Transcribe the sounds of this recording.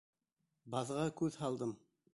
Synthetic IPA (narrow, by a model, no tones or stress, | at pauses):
bɑðʁɑkʉðhɑlˠd̪ɤm